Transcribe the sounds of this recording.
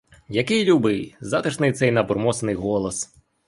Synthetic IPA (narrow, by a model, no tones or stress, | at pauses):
jɐkɪjlʲubɪjzɑt̪ɪʃnɪjt̪sɛjnɐbɔrmɔsnɪjɦɔlˠɔs